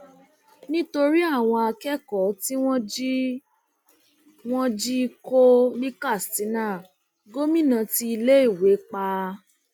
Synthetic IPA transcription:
nĩ˦to˧ɾi˦a˦˨w̃ɔ̃˧a˧kɛ˦kɔ˨˦ti˦w̃ɔ̃˦d͡ʒi˦ | w̃ɔ̃˦d͡ʒi˦ko˦li˦ka˦˨sti˨˦nãː˦˨ | ɡo˦mĩ˦˨nã˧ti˧i˧le˦i˦˨we˨˦k͡pa˧

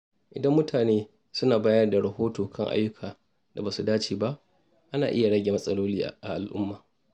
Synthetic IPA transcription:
ʔɪ̰˨dɐ˦mːʊ˦tʰaː˨neː˦ | sʊ˦naː˨baː˦jɐ˦rda˨ɽɐ˨hoː˦toː˨kʰɐ˦ŋʔa̰˦jːʊ˦kʰaː˨ | da˨baː˨su˨daː˦t͡ʃeː˨ba˦ʔ | ʔa˦na̰ː˨ʔɪ˦ja˨ɽɐ˦ɡʲe˨mɐ˦sʼɐ˦loː˦liː˦ʔa̰˨ʔa˨ʔa˨lʔʊ̰˦mːaː˨

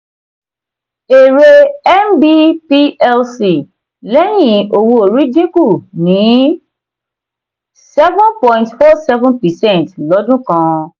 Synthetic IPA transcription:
e˨ɾe˧ɛ˦mbi˦pi˦ɛ˦lsi˨ | lɛ˦j̃ĩ˨o˨wo˧o˨ɾi˨˦d͡ʒi˦ku˦˨nĩ˨˦ | sɛ˦vũ˦npɔ̃˨ĩntfɔ˦sɛ˦vɔ̃˦npɛ˨sɛ̃˦˨ntlɔ˨˦dũ˦kã˧

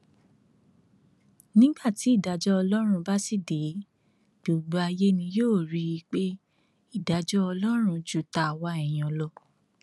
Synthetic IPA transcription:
nĩ˦ɡ͡ba˦˨ti˨˦i˦˨da˨˧d͡ʒɔ˦ɔ˧lɔ˦ɾ̃ũ˧ba˦si˦˨de˨˦ | ɡ̥o˨ɡ͡bu˨˧a˧je˦nĩ˧joː˦˨ɾi˨˧˦i˧k͡pe˦ | i˦˨da˨˧d͡ʒɔ˦ɔ˧lɔ˦ɾ̃ũ˧d͡ʒu˦˨ta˧˨wa˧ɛ˨j̃ɔ̃˨lɔ˧

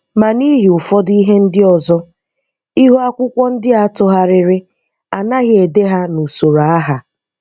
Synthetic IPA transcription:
ma˨ni˦ɦi˨ʊ˨fɔ˦di˦ɦe˦n̩˦dɪ˦ɔ˨zɔ˦ | i˦ɦu˦a˦kʷʊ˦kʷɔ˦n̩˦dɪ˦a˨tʊ˦ɦa˦ɾɪ˨ɾɪ˦ | a˨na˦ɣɪ˦e˨de˦ɦa˦nu˨so˨ɾa˨a˦ɦa˨

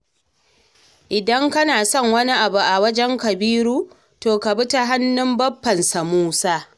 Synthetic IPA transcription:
ʔɪ˨dɐ˦ŋkɐ˦naː˨sɔ˦˨ŋwɐ˦ni˦ʔa˨bu˨ʔa˨wɐ˦d͡ʒɛ˦ŋkɐ˨biː˦ɾuː˦ | toː˨ka˨bʊ˦ta˦ɦa˦nːɪ˦mbɐ˦pːɐ˨nsa˨muː˦saː˦

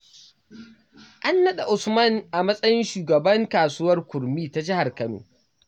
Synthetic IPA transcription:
ʔa˦nːɐ˦ɗa˨ʔʊ˨smɐ˦˨nʔa˨mɐ˦sʼɐ˦jɪ˦nʃuː˨ɡɐ˨bɐ˦ŋkaː˨suː˦wɐ˦rkʷʊ˨ɾmiː˦ta˦d͡ʒɪ˦ha˨rkɐ˦no̰ː˨

